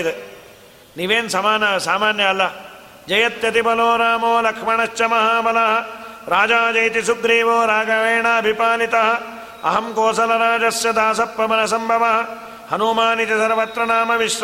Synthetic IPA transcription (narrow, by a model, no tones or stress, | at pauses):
d̪e | niːʋeːnsɐmaːnɐɐsaːmaːnjɐɐlːɐ | d͡ʒɐjɐt̪jɐt̪ibɐloːɾaːmoːlɐkʂmɐɳɐʃt͡ʃɐmɐɦaːbɐlɐɦɐ̆ | ɾaːd͡ʒaːd͡ʒɐjt̪isuɡɾiːʋoːɾaːɡɐʋeːɳaɐbʱipaːnit̪ɐɦɐ̆ | ɐ̰ɦɐmkoːsɐlɐɾaːd͡ʒɐsjɐd̪aːsɐpːɐmɐnɐsɐmbʱɐʋɐɦɐ̆ | hɐnumaːnit̪isɐɾɐʋɐt̪ɾɐɳaːmɐʋiʃ